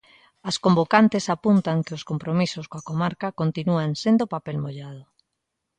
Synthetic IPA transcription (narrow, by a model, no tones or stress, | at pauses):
askombokant̪ɪsapunt̪aŋkɪʊskompɾomisʊskoakomaɾkakont̪inuaŋsend̪opapɛlmoʎað̞ʊ